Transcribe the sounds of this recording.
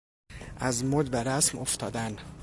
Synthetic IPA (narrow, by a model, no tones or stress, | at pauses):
ʔæzmod̪bæɾæsmoft̪ʰɒːd̪æn